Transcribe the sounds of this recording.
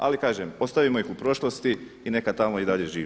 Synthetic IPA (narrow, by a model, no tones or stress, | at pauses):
a̰likaːʒemo̞st̪aʋimo̞ixupɾo̞ʃlˠost̪i | ine̞kat̪amo̞id̪aʎe̞ʒiːʋ